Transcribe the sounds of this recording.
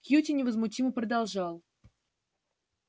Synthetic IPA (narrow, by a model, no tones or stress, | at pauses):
kjutʲɪnʲɪvəzmʊtʲimɨpɾəd̪ɑlˠʐɑlˠ